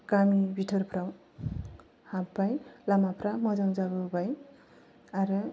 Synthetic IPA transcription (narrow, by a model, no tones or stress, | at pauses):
kamibitʰɯɾpʰɾaw | habbajlamapʰɾamʌzaŋzaβɯbaj | aɾɯ